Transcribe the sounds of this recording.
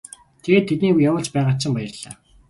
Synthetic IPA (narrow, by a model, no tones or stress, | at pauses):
t̪ʰeɣeːt̪ʰːet̪niːujamə̆ɮt͡ɕpæːʁaːsə̆mpaæjə̆rɮ̥aː